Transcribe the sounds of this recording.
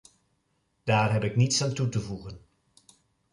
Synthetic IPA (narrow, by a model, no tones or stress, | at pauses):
d̥aːɹɦɛpɪknitsantutəvuχən